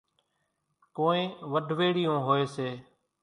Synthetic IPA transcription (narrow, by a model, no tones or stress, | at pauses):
koːẽːʋəɖʱʋeːɽɪjõːɦoːeːseː